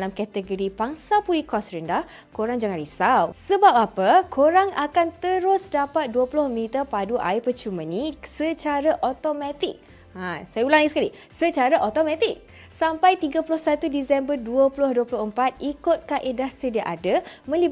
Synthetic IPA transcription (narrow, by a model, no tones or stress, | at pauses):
dalamkat̪əɡoɾipaŋsapuɾikɔsɾəndah | koɾaŋd͡ʒaŋãnɾisawsəbap̚apəkʰoɾaŋakant̪əɾʊsdapat̪̚duəpulʊhmit̪əpaduʔa̰ipət͡ʃumənisət͡ʃaɾaʔot̪omãt̪ik̚ | asajaulaŋaisə̥kali | sət͡ʃaɾaʔot̪omãt̪ik̚ | sampajt̪iɡapulʊhsat̪udisɛmbərduəpulʊhduəpulʊhəmpat̪̚ikʊt̪̚kaʔedahsədaʔadəmə̃lib